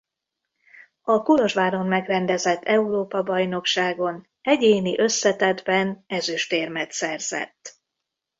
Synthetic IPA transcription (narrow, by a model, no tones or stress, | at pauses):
ɒkulo̞ʒvaːɾo̞nmɛɡrɛnd̪ɛzɛt̪ʰːɛuɾoːpɒbɒjno̞kʃaːɡo̞n | ɛɟeːniʔø̞sːɛt̪ɛd̪bɛnɛzyʃt̪eːrmɛt̪sɛrz̥ɛ̰t̪ː